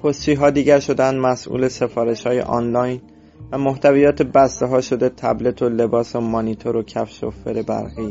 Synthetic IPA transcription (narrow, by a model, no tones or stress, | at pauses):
pʰost͡ʃiːɦɒːd̪iːɟæɾʃo̞d̪eænd̪mæsʔṵːle̞se̞fɒːɾe̞ʃhɒːje̞̰ʔɒ̰ːnlɒjn | væmoht̪ʰævijɒːt̪ʰebæst̪eɦɒːʃo̞d̪e̞t̪ʰæ̰ble̞t̪ʰo̞le̞bɒːsomonit̪ʰoɾocʰæfʃo̰fe̞ɾebæ̰ɾɣiː